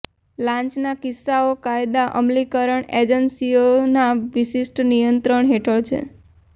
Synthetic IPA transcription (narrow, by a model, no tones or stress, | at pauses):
lãɲt͡ʃnakɪsːaokajd̪aʔəmlikəɾəɳed͡ʒənsionaʋiʃɪsʈnijənt̪ɾəɳɦeʈʰəɭt͡ʃʰḛ